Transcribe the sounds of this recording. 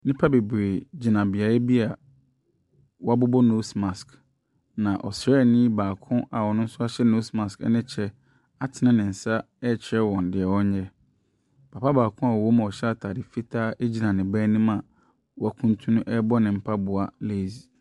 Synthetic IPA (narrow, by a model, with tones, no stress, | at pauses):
nɪ̃˦pʰa˦be˨bɾe˨d͡ʑi˨nã˨bɪ˨a˨ɛ˦bi˦a˨ | wɔ˦a˦bʊ˦bɔ˦no˦sma˨sk | nã˨ʔɔ̰˨sɾɛ˦˨nĩ˦baː˨kʰʊ̃˦ʔa˨wɔ˨nʊ̃˦n̩˦sʊ˦a˦ɕɛ˦no˦smã˨skɛ̰˦nɪ̃˦t͡ɕʰɛ˦ | a˨tʰɪ˨nã˦nɪ̃˨n̩˨sa˦ | ɛ˦˨t͡ɕʰɪ˦ɾɛ˦wɔ̃˨n˨dɪ˨ɛ˨wɔ̃˦ɲ˦ɲɛ˦ | pʰa˨pʰa˦baː˨kʰʊ̃˦a˨o˦mã˨ɔ˨ɕɛ˦a˦tʰaː˨dɪ˨fi˦tʰaː˦ʔe˦d͡ʑi˦nã˨nɪ̃˨bæː˦nĩ˦mã˨ | wɔ˦a˦kʰũ˦n˦tʰũ˦nũ˦ʔɛ˦bɔ˦nɪ̃˨m̩˨pʰa˦bʊ˨a˨le˦˨zi˨